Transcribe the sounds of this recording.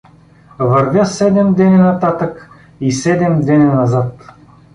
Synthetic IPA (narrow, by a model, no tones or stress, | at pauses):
vɐɾvʲjasɛd̪ɛmd̪ɛnʲinat̪at̪ək | isɛd̪ɛmd̪ɛninɐzat̪